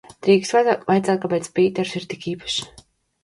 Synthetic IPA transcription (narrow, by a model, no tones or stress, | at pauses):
d̪̥ɾiːkst̪avajt̪zaːt̪̚kapet̪spiːt̪ɛɾsiɾt̪ikiːpḁʃ